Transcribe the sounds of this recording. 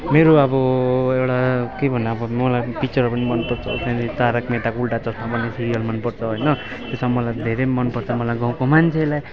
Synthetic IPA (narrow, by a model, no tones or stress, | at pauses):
meɾoʌbʌewɽakebʱʌnːʌbʌmʌlajpit͡sʌrpʌnimʌnpʌrt͡sʰʌo̰sanit͡saɾʌkmeʈakulʈat͡sʌsmapʌnːesʰiɾijʌlmʌnpʌrt͡sʰʌɦojnʌ | t̪esamʌlajd̪ʱeɾejmʌnpʌrt͡sʰʌmʌlajɡãw̃komant͡sʰelaj